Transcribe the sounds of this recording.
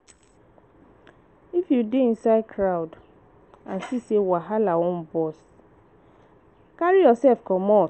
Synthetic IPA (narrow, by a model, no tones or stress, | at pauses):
ifjudeĩnsaɪdkʰɹawd | ãnsisewaɦalawɔ̃nbɔs | kaɹijɔsɛlfkɔmɔ